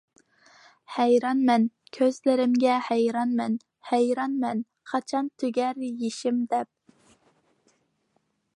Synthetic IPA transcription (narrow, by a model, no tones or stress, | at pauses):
hɛjɾɑnmɛn | kʲʰøzlɪɾɪmɡʲɛhɛjɾɑnmɛn | hæjɾɑnmɛn | χɑt͡ʃʰɑnt̪ʰøɡʲɛɾjeʃɪmd̪ɛp̚